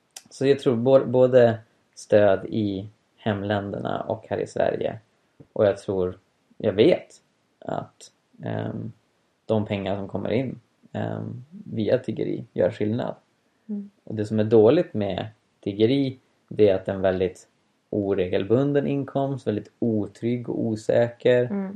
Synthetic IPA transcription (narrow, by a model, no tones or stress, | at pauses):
sɔjɑːt̪ʰɾuːɾboboːd̪ə | st̪øːd̪ɪ | hɛmːlɛnd̪əɳa̰ʔɔkhæːɾɪ̰svæ̰ɾjə̰ | ʔɔjɑɡ̚t̪ʰɾuːɾ | jɑːɡveːt̪ | ʔa̰t̪ | d̪̥ɔmpʰɛŋːaʂɔmkʰɔmːə̰ɾɪnː | viːat̪ʰɾʏɡə̰ɾḭːjœ̰ːɾɧɪlna̰d̪ | ɔd̪ɛsɔmæɖoːlɪt̪mɛ | t̪ʰɾʏɡəɾiː | d̪ɛæɾat̪ɛnvɛld̪ɪt̪ | ʔuːɾeːɡəlbɵnd̪ənʔɪnkʰɔmst̪vɛld̪ɪt̪uːt̪ʰɾʏɡːɔuːsɛːkəɾ